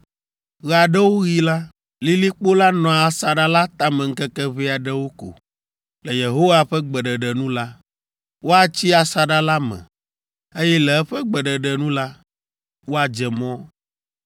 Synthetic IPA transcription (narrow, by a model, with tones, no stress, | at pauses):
ɣɛ˨a˨ɖɛ˦wo˦ɣi˦la˦ | li˦li˦k͡po˦la˦nɔ̃˨a˨sa˨ɖa˦la˦t̪a˦mɛ˨ŋ̩˦kɛ˦kɛ˦βi˦a˨ɖɛ˦wo˦ko̰˨ | lɛ˨je˨ɦo˦wa˦ɸɛ˦ɡ͡bɛ˨ɖɛ˨ɖɛ˨nũ˦la˦ | wo˦a˦t͡ɕi˦a˨sa˨ɖa˦la˦mɛ̰̃˨ | e˦jɛ˦lɛ˨ɛ˦ɸɛ˦ɡ͡bɛ˨ɖɛ˨ɖɛ˨nũ˦la˦ | wo˦a˨d͡ʒɛ˨mɔ̃˦